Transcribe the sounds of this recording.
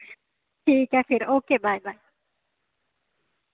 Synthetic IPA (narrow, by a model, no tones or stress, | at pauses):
ʈʰiːkafiɾoːkeːbajbaj